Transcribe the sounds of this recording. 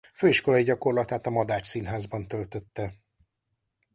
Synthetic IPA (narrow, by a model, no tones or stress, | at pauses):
føːiʃko̞lɒiɟɒko̞rlɒt̪aːt̪ɒmɒd̪aːt͡ʃsinɦaːzbɒnt̪ø̞lt̪ø̞t̪ːɛ